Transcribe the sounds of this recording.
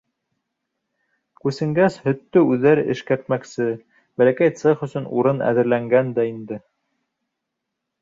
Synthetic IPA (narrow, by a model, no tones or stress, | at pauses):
kʉsɘ̆ŋɡæshɵ̆t̪ːɵʉðːæɾɘʔɘ̰̆ʃkæɾt̪mæksɘ | bælækæjt̪seχɵ̆sɵnṵɾɤnæ̰ðɘ̆ɾlæŋɡænd̪æind̪ɘ